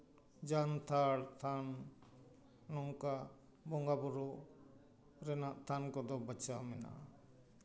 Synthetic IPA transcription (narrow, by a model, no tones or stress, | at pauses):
d͡ʒant̪ʰaɽt̪ʰan | ɔŋka | bɔŋɡabɔɾɔ | ɾɛnaʔt̪ʰankɔd̪ɔbət͡ʃawmɛna̰ʔa